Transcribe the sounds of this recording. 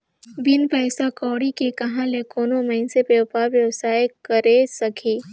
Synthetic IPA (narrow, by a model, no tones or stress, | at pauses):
ʋɪnpɛɪsakɔːɽikekɐɦãlekoːnomɐ̃ɪnsepewpaːɾʋjɐʋsaːjkɐɾesɐkʰiː